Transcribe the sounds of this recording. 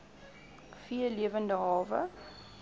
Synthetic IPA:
fiəliəvəndəɦɑːvə̰

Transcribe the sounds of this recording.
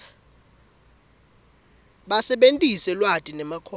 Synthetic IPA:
ɓasɛɓentʼisɛlwatʼinɛmakʰɔ

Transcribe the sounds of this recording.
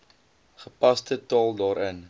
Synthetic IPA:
χəpɐstətɑːlˠdɑːɾən

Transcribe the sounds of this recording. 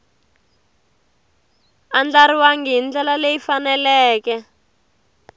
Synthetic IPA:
and͡ɮaɾiwaŋɡiɦind͡ɮɛlalejifanɛlɛːkɛ

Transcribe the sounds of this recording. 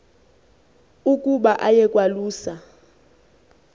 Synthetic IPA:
ukʼuɓaʔajɛkʼwaluːsa

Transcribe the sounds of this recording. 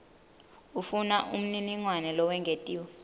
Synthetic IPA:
ufunaʔum̩niniŋwanɛlɔwɛŋɡʱetʼiːwɔ

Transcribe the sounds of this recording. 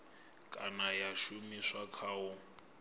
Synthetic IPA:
kʼanajaʃumiswakʰaːʊ

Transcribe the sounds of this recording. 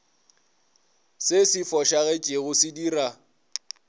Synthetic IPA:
sesifɔʃaɣɛt͡ʃʼeɣʊsɪdiːra

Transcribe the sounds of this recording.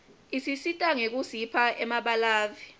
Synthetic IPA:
isisitʼaŋek̬usipʰaʔɛmaɓalaːvi

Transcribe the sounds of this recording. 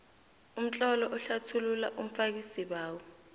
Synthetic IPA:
um̩t͡ɬʼɔlɔʔɔɬatʰululaʔum̩fak̬isiɓaːwɔ

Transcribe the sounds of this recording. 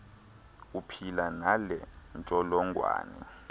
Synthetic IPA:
upʰilanalɛnt͡ʃʼɔlɔŋɡʱwa̰ːnɛ̰

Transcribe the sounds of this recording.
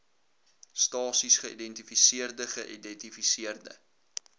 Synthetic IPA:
stɑːsisχəʔḭdɛntifisiərdəχəʔidɛntifisiərdə̰

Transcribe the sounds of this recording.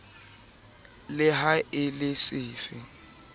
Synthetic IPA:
lɪɦaɪlɪsɪːfɪ

